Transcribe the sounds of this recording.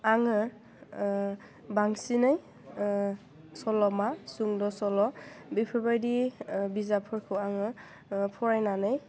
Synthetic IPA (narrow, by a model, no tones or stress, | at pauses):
aŋɯ | baŋsinɯj | sɔlɔmasuŋdɔsɔlɔbipʰɔbajdibizapʰɔɹkʰɔaŋɯ | pʰɔɹajnanɯj